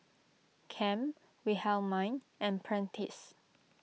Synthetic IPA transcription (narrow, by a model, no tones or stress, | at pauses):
kʰɛ̃m | wihɛlmãj̃n | ɛ̃npʰɹɛ̃ntʰis